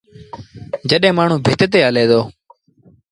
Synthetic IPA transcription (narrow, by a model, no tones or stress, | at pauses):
d͡ʒəɗɦẽːmaːɳ̤ũːbʱɪt̪t̪̬eːɦəleːd̪oː